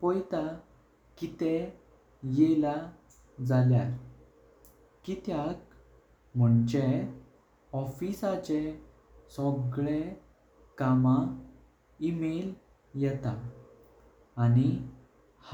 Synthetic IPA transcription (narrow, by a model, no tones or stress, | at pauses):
pɔjt̪a | kit̪ɛ | jɛla | d͡zaljaɾ | kit̪jak | m̤əɳt͡ɕe | ɔfisat͡ɕe | sɔɡɭe | kamã | imel | jɛt̪a | ni | h